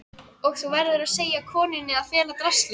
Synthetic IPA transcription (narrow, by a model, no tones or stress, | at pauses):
ɔɣθuwvɛɾðʏɾaðseːjakʰɔːnɪnːɪaðfjɛːlat̪ɾast̪lɪ